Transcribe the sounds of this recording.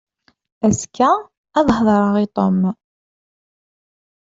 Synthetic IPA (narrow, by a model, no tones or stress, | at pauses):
æskːæː | ðˤhðˤɑɾˤəʁit̪ˤom